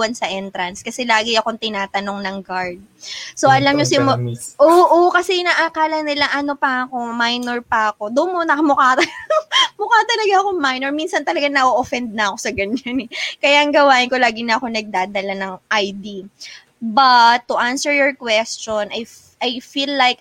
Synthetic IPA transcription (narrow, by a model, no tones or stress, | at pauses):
wɐnsɐʔɛnt̪ɾɐnskɐsɛlaːɡɪɐko̞ŋt̪ɪnaːt̪ɐno̞ŋnɐŋɡaɹd̪̚soʔɐlɐmɲosɪmoʔoːʔokɐsɛnaʔakaːlɐnɪlaʔɐno̞pɐɐko̞majnɛɹpɐɐko̞d̪onmonɐkɐmʊkat̪ɐmʊkaːt̪ɐlɐɡaɐkoŋmajnɛɹminsɐnt̪ɐlɐɡaŋnɐʔoʔofɛnd̪̚nɐɐko̞sɐɡɐɲːanɛkɐjaʔɐŋɡɐwaːʔɪnko̞laːɡɪnɐɐko̞nɐɡ̚d̪aːd̪ɐlanɐŋʔajd̪i | bɐt̪ːʊʔansɛɹjɔɹkwɛst͡ʃonʔɐj | ʔajfilːajk̚